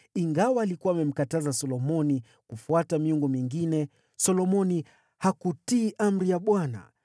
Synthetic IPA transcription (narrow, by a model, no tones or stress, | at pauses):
iŋɡawaːlikuamɛm̩katazasɔlɔmɔni | kufuatamiuŋɡɔmiŋɡinɛ | sɔlɔmɔni | hakutiːʔam̩ɾijaɓwana̰